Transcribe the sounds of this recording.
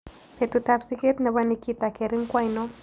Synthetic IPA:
pe˨t̪u˨t̪a˧psi˦ke˦t̪na˧βa˦nikit̪a˨ke˨ɾi˦ŋkʷa˦jno˦

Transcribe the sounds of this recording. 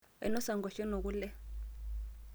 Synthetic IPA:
ɛ̰˨nɔ˦sa˨ŋɡɔ˨ʃi˦no˨k̬u˦lɛ˦

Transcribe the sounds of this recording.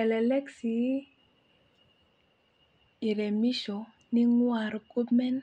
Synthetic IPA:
ɛ˨lɛ˨lɛ˦ksi˨˦ | i˨ɾɛ˨mi˦ʃɔ˨ | ni˦ŋwa˨ɾɡu˦pmɛ˦n

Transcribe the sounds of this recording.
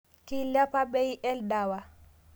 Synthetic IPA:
ki˦la˦pa˦bɛ˦iʔɛ˦ldawa˨

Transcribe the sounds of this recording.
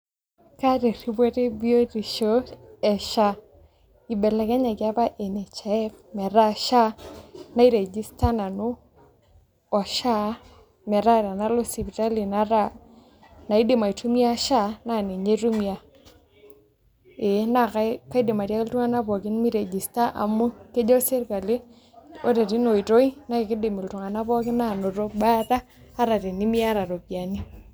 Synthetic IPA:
ka˦ɾe˨ɾi˦bwo˦te˦bi˦o˦ɾi˨ʃo˦ɛ˨ʃa˦ | i˨bɛ˨la˨kɛ˦ɲa˨ɡɪ˦a˦pa˦ʔe˨nɛ˨t͡ʃa˨ɛ˦kmɛ˨ɾa˦ʃa˦na˦i˦ɾe˨d͡ʒi˦sta˦na˨nʊ˦ | ɔ˨ʃa˦ | mɛ˨ɾa˦˨ɾa˨na˦lo˦si˨bi˨ta˦li˨na˨˦ɾa˦˨ | na˨i˦dɪ˨ma˨i˨tu˦mja˦ʃa˦˨na˦˨ne˨ɲe˦tu˦mja˨ | e˨˦na˦˨ka˦ka˦i˦dɪ˨ma˨ɾja˦kɪ˦ltu˦ŋa˦na˦pɔ˨kɪ˦nmi˦ɾe˨d͡ʒi˨sta˦ʔa̰˨mʊ˦ke˦d͡ʒɔ˦se˦ɾka˨lɪ˦ | o̰˦te˨ɾi˦no˨i˨to˦i˦na˨˦kɪ˨kɪ˦dɪ˨mi˨ltu˨ŋa˨na˦pɔ˦kɪ˦na˦˨no˨ɾo˦ba˦taː˦ | ɾa˨ɾe˨ni˦mi˦a˦ɾa˨ɾo˨pja˨ni˦

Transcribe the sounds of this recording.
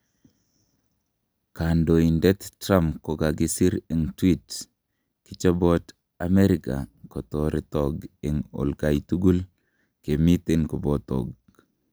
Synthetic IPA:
ka˨ndo˨i˨ndɛ˦t̪tɾa˦mko˨ɡa˨ɡi˦si˦ɾe˨ŋtwi˦t | kit͡ʃa˦bɔt | a˨me˦ɾika̰˨kɔ˨tɔ˨ɾi˨tɔɡe˨ŋo̰˨lka˨jtu˦ɡu˦l | ke˨mi˦te˦nko˨bɔ˦t̪ɔ̰˨ɡ̚

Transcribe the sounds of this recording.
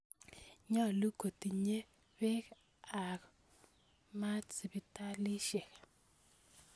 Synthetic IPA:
ɲɔ˦˨lu˦ko˨ti˨ɲe˦ | we˦k | a˨k | ma˦t͡si˨bi˨ta˦lɪ˦ʃɛ˨k

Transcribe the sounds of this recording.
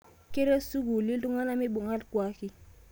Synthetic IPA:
ke˦ɾe˦su˦ɡu˨li˦lu˦ŋa˦na˦mi˦ɓu˨ŋa˦lkwa˦ki˦

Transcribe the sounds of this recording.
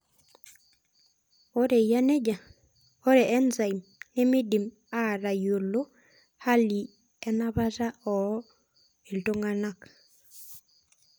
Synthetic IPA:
ɔ˦ɾe˨ja˦ne˦d͡ʒa˨ | ɔ˦ɾɛ˨ʔɛ˦nza˨i˨mnɛ˦mi˦di˨m | a˦˨ɾa˨jo˨lo˦ | ha˦li˨ | ɛ˦na˦βa˦ta˦ɔ˨ | e˨lto˦ŋa˦na˦˨k

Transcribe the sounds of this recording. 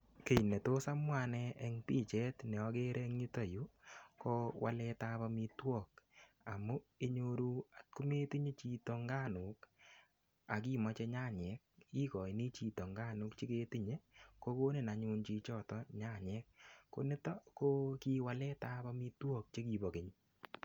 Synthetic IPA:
ke˨i˨ne˨to˦sa˦mwa˦˨nɛ˦ʔɛ˨ŋpi˦t͡ʃɛ˦tnɛ˨ɔ˧ke˦ɾɛ˦ŋɲi˦tɔ˦˨ju˦ko˦wa̰˦lɛ˧ta˦pa˧mi˧twɔ˦˨k | a˨mu˦e˦ɲo˦ɾu˦a˨tku˦me˦ti˦ɲe˦t͡ʃi˦to˧ŋɡa˦˨nu˨k | a˨k̬i˦mɔ˨t͡ʃɛ˧ɲa˦˨ɲɛ˨˦k̚i˦kɔ˨i˨ni˦t͡ʃi˨tɔ˨ŋɡa˦˨nu˦kt͡ʃi˦ke˦ti˦ɲe˦ko˦ko˦nɪ˨na˨ɲu˦nt͡ʃi˦t͡ʃɔ˦˨tɔ˦ɲa˦˨ɲɛ˦k̚ːo˨˦nɪ˦tɔ˦ko˦ki˦wa˦lɛ˦ta˦pa˦mi˦twɔ˦k̚t͡ʃe˦ki˨bɔ˨ke˨ɲ

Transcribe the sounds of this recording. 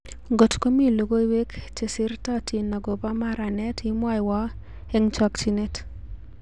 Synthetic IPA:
ɡɔ˨tko˦mi˦˨lo˨ɡo˦i˦we˦kt͡ʃe˨sɪ˦ɾta˦ti˨na˨ɡo˨ba˦ma˦ɾa˨nɛ˦ti˦mwa˦ɪ˨wa˦ | ɛ˦ŋt͡ʃa˦kt͡ʃi˦ne˦t

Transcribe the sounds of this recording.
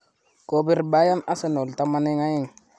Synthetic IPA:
ko˨bi˦ɾba˦ja˦na˦se˨no˨lta˦ma˦ne˦ŋa˦ji˦˨ŋ

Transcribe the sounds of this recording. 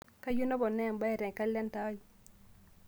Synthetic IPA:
ka˦ju˦nɔ˦bɔ˨nɛ˦˨ŋba˦ɛ˨ɾɛ˨ŋka˦lɛ˦nta˨˦ji˨

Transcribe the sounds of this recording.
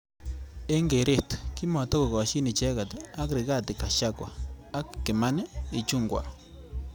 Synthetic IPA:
e˦ŋɡe˨ɾe˦˨tki˦mɔ˨tɔ˦ko˨ɣɔ˨ʃi˦nɪ˨t͡ʃɛ˦ka˨ta˦kɾɪ˨ɡa˦˨tɪ˨ka˨ʃa˦kwa̰˨a˦kːɪ˨ma˦nɛ˦ɪ˨t͡ʃu˦ŋɡwa̰˨

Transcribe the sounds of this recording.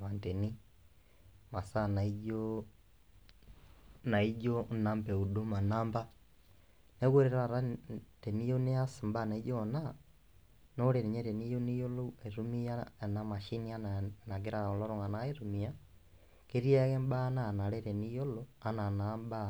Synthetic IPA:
βa˨nte˨ni˦ | ma˨sa˦na˨iɟo | na˨i˦ɟo˦na˦mpe˨u˨du˦ma˨naː˦mba˦ | ne˦ɣwe˦ɾeɾa˨ɾa˦te˨ni˦jo˦ne˦a˦si˨mba˦na˨˦ɟona˦ | no˦leɾi˨ɲe˦teni˦jo˦ni˦jo˦lo˦e˨ɾu˦mi˦ja˦˨na˨ma˨ʃi˦nia˦nana˨ɡe˦ɾa˨o˨lo˦ɾo˨ŋa˨na˦e˦ɾu˨mi˨ja˦ | ke˦ɾi˦e˦ɣe˦mba˦na˦na˨le˦ɾe˨nijo˦loa˨na˨namba˦

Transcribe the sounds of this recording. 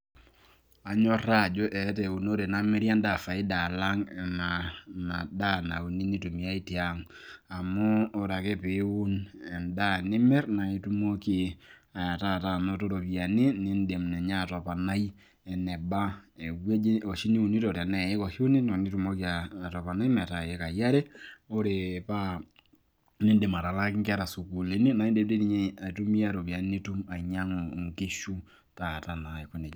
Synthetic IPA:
a˨ɲɔ˦ra˦˨d͡ʒo˦ʔɛ˨˦tɛ˨u˨no˦ɾe˨na˦mɛ˦ɾja˦nda˦˨fa˨ɪ˦da˨la˦ŋ˨nana˨da˦na˨u˨ni˦ni˦tu˨mi˨a˦i˦ti˨a˦ŋa˨mʊ˦ɔ˨ɾa˨kɛ˦pe˨˦u˦nɛ˨nda˦nɪ˦mɛ˦rna˨i˦tu˦mo˦ki˦ | a˨ja˨ta˦˨ta˦no˦to˦ɾo˨pi˨a˨ni˦nɪ˦nde˨mnɛ˨ɲa˦˨tɔ˨pa˨na˦j | ɛ˨nɛ˨ba˦ɛ˨we˦o˨ʃi˦ni˦u˨ni˦tɔ˨tɛ˨nɛ˨e˦kɔ˨hi˦u˦ne˦nɔ˨ni˦tu˦mo˦ki˦aː˨ta˨pa˨na˦i˦mɛ˨ta˨e˦ka˨ja˦ɾɛ˦o˦ɾe˨pa˦ | nɪ˦nde˨ma˨ɾa˨la˦kɪ˦ŋka˦ɾa˨su˨ku˨le˨˦ni˦na˨˦i˦de˨˦p̚te˦ni˨ɲ˦a˨tu˦mi˦a˦ɾo˨pi˨a˨n˦ne˦tu˦ma˨ɲa˦ŋo˨ŋke˦ʃu˦ | ta˨ta˨na˨ɪ˨kʊ˦ne˨

